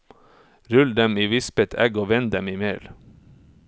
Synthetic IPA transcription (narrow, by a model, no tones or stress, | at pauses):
ɾʉld̪ɛmiːʋɪspɛt̪ʰæ̰ɡoːʋɛnɛmiːmeːl